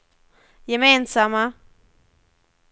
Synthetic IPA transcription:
jɛmeːnsama

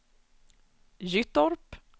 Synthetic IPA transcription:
jʏt̪ɔɾp

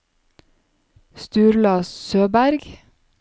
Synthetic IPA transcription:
st̪ʉːɾlɑːssøːbæɾɡ

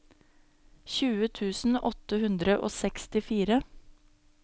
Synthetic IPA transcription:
çʉːət̪ʰʉːsn̩ɔt̪əhʉnd̪ɾəʔo̰ːsɛkst̪ɪfiːɾə

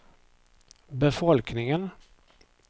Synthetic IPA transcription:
bɛfɔlknɪŋən

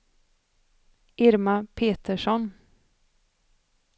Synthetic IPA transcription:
ʔɪɾmapʰeːt̪əʂɔn

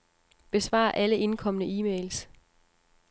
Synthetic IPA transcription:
b̥e̝sʋɑ̰̈ːʔæləʔe̝nkʰɒ̽mənəiːmeːls

